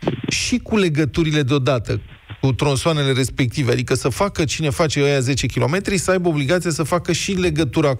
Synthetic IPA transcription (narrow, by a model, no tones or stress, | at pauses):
ʃikule̞ɡət̪uɾile̞d̪eo̞d̪at̪ə̰ | kut̪ɾonsoane̞le̞ɾe̞spe̞k̚t̪ivea̰d̪ikəsəfakət͡ʃine̞fat͡ʃe̞əjaze̞t͡ʃe̞kʲilo̞̰me̞t̪ɾisəajbəo̞bliɡat̪sijasəfakəʃile̞ɡət̪uɾa